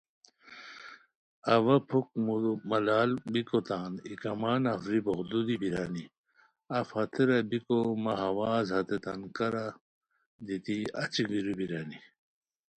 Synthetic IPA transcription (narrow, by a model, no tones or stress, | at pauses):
ɐwɐpʰuk̚mumɐlaːlbikot̪aːnikɐmaːnɐfɾiboɣd̪ud̪ibiɾaːni | ɐfhɐt̪ʰeɾɐbikomɐɦɐwaːzɦɐt̪et̪ɐnkɐɾa | d̪it̪iɐt͡ɕiɡiɾubiɾaːni